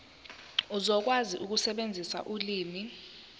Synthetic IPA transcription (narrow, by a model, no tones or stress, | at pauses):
uzɔk̬waziʔuk̬usɛɓend͡zʱisa̰ʔuliːmi